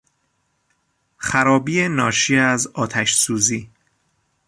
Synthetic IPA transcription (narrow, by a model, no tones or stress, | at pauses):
xæɾɒːbiːenɒːʃiːæzɒːt̪ʰæʃsuːziː